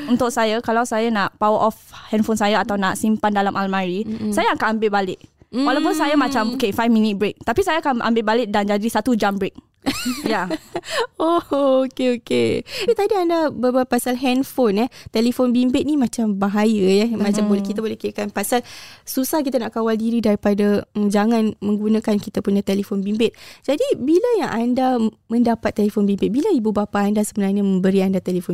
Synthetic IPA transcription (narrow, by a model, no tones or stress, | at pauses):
unt̪ʊk̚sajakalawsajanaʔpawəʔɔfhɛnfonsajaat̪awnaʔsimpandalamʔalmãɾisajaakanambɪʔbalɪʔ̚walawpʊnsajamãt͡ʃamokefajfmĩnit̪̚bɾek̚t̪apisajaakanʔa̰mbɪʔbalɪʔ̚dand͡ʒadisat̪ud͡ʒambɾek̚ | ja | ookeoket̪adiandabəbaapasalɦɛnfonɛht̪elifonbimbɪt̪̚nĩmãt͡ʃambaɦajəjɛmãt͡ʃambolɛkit̪abolɛhkiɾakanpasalsusahkit̪anaʔkawaldiɾidaɾipadaəd͡ʒaŋanmə̃ŋɡunãkankit̪apuɲat̪elefonbimbɪt̪̚d͡ʒadibiləjaŋʔanda | mə̃ndapat̪ːelefonbimbɪt̪̚bilaibubapaːndasəbənarɲamə̃mbəɾiandat̪elifo